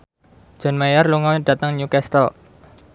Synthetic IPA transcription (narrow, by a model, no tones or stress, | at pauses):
d͡ʒ̥ɔ̤nmajarluŋawid̥ä̤t̪əŋɲukɛst̪əl